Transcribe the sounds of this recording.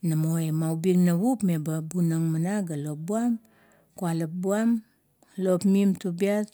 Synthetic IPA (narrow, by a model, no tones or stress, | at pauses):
namoemawbiŋnaβupme̞babunaŋmanaɡalo̞p̚buam | kualap̚buam | lopmimtubiat